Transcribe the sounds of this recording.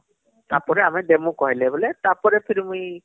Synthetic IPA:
tapɔɹɛamɛdemukɔɦilɛbɔlɛtapɔɹɛpʰiɹimuj

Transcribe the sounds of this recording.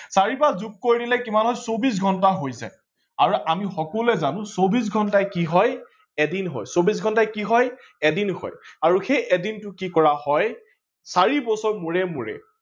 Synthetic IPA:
saɹipazuk̚kːoɹidilɛkimanɦɔjsobis̬ɡʱɔntaɦojza̰j | aɹuʔamixɔkɔlɛzanʊ̃sobis̬ɡʱɔntajkiɦɔj | ɛdinɦɔ̰jsobisɡʱɔntajkiɦɔj | ɛdinhɔ̰jaɹuxejʔɛdintʊkikɔɹahɔj | saɹibɔsɔɹmʊɹɛmuɹɛ̰

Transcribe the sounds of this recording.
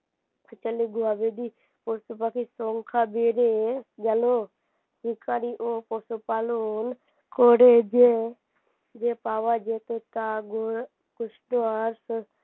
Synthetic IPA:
t͡ʃəliɡuabed̪i | posupakisoŋkʰabeɾed͡ʒɐlo | sikaɾiʔoposupaːlon | koɽed͡ʒe | d͡ʒepaːʋad͡ʒet̪ot̪aɡo | kʊsʈoaɾs

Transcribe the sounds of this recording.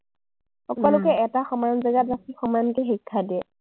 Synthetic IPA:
xɔkɔlʊkɛɛtaxɔmanzaɡatɹasixɔmankɛxikʰːadiɛ

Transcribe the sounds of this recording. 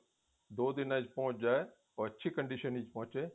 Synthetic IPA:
d̪oːd̪ɪnãːt͡ʃpõːt͡ʃd͡ʒaːe | ɔətːʃʰiːkəɳɖiːʃəniːt͡ʃpɔ̃ːt͡ʃeː

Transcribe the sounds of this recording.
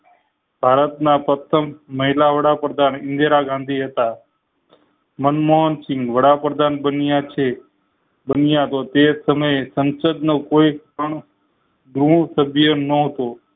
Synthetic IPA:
bʱaɾət̪napɾət̪ʰəmːəɦilaʋəɽapɾəd̪ʱanɪ̃nd̪ʱeɾaɡʱãnd̪ʱiɦət̪a | mənmoɦənsɪ̃ŋɡʋəɽapɾəd̪ʱanbənjat͡ʃʰe | bənijaɦt̪ot̪esəməjesə̃nsəd̪nokoi | əɳ | ɡɾuɳsəbʱjənəɦət̪o

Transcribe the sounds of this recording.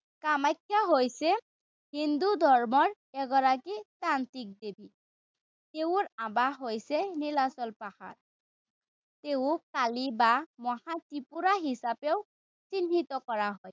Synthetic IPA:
kamajkʰːaɦojsɛ | hind̪ud̪ʱɔɹmɔɹ | ɛɡɔɹakitant̪ik̚d̪ebʱi | t̪eʊɹabaɦojsɛnilasɔlpaha̰ɹ | t̪eʊkalibamɔhatipuɹaɦisapɛʊ | t͡sinːit̪ɔkɔɹaɦɔj

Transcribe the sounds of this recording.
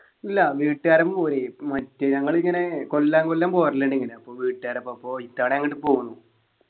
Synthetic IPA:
ilːɐʋiːʈːaːɾɐmoɾemɐtːeɲɐŋːɐɭiŋːɐne̞kolːaːŋkolːaːmpoːɐrlːeɳɖiŋːɐneɐpːo̞ːʋiːʈːɨaːɾɐpːoɐpːo̞ːit̪ːaːɽeɐŋːiʈːɨpo̞ːɣunːu

